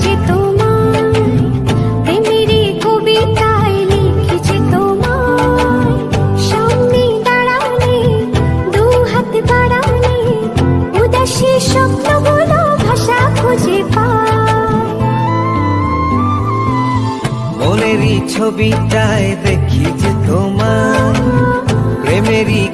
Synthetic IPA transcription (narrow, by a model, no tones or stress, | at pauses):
et̪oma | t̪emiɾikobit̪aelikʰit͡ɕʰet̪oma | ʃɔmnid̪aɽawni | d̪uɦat̪baɽawni | ud̪eʃiʃɔbnobolobʱaʃakʰod͡ʑepa | moneɾit͡ɕʰobit̪ajed̪ekʰit͡ɕʰet̪oma | pɾemeɾi